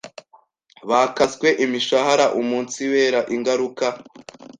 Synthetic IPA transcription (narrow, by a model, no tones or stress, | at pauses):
βakazɡwe̞ʔimiʃahaɾaʔumuːnt͡siwe̞ːɾaʔiŋɡaɾuka